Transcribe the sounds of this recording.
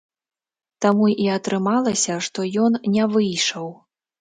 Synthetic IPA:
t̪amuiɐt̪ɾɨmalˠɐsʲɐʂt̪ɔjɔnnʲɛvɨjʂɐw

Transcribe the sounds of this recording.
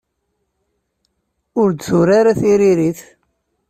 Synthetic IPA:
ʊɾd̪θuɾaɾaθiɾiɾiθ

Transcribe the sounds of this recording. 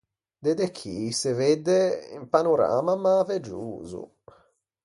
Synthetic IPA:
d̪ed̪ekʰːiseved̪ːeḭmpanuɾa̰ːmamːaved͡ʒuːzṵ

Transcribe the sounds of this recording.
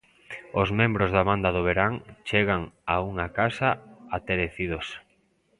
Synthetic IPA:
ozmẽmbɾozðaβand̪aðoβ̞eɾaŋt͡ʃeɣaŋauŋakasaat̪eɾeθið̞os

